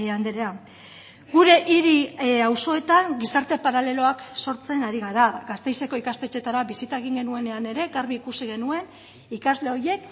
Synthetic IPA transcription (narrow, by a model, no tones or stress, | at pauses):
and̪eɾea | ɡuɾe̞ʔiɾiawso̞e̞t̪aŋɡisaɾt̪e̞paɾale̞lo̞akso̞ɾt͡se̞naɾiɣ̞aɾaɡast̪e̞jse̞ko̞ikast̪e̞t͡ʃe̞t̪aɾaβisit̪aeɣ̞iŋɡe̞nue̞ne̞ane̞ɾe̞ɣaɾβiːkusiɣe̞nue̞n | ikazle̞o̞je̞k